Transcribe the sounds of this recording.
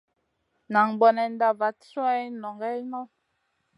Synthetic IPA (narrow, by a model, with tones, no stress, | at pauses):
na˨ŋbɔ˨nɛ˨n˦da˦˨va˨t͡su˦ɛ˦jnɔ˨ŋɡɛ˦nɔ˦